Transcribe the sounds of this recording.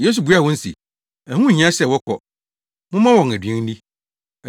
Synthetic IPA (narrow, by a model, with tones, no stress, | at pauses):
je˦s̬u˨bu˨˦a˨wɔ̃˦n̩˦sḭ˨ | æ˨hũ˦˨ɲ˦ã˦sɛ˦˨wɔ˦kʰɔ̰˨ | mʊ̃˦mã˦wɔ̃˨ŋæ˨dɥɛ̃˦ŋ˦nĩ˦